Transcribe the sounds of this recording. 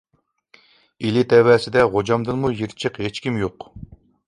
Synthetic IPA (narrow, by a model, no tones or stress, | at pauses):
ilɪt̪ʰɛwɛːsɪd̪ɛʁod͡ʒɑmd̪ɨnmujiɾt͡ʃʰəqhet͡ʃkʲimjoq